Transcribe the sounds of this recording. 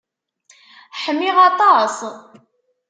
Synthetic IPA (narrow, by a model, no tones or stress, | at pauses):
ħəmːiʁɑt̪ˤɑs